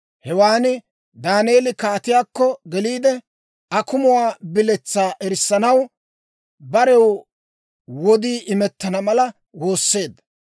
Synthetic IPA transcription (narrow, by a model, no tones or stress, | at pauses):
hɛwaːnɪ | d̪aːneːlɪkaːt̪ɪjaːkːɔɡɛliːd̪ɛ | ɐkʊmʊwaːbɪlɛt͡sːaːʔɛɾɪsːɐnɐw | bɐɾɛw | wɔd̪iːʔɪmɛt̪ːɐnɐmɐlɐ | wo̞ːsːe̞ːd̪ːɐ